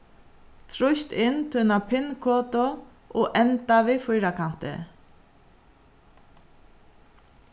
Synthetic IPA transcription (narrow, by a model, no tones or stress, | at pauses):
t̪ʰɾʊst̪ɪnt̪ʰɪnapʰɪnkʰoːt̪o | ʔɔːʔɛnt̪aʋɪfʊjɾakʰan̥t̪ɪ̰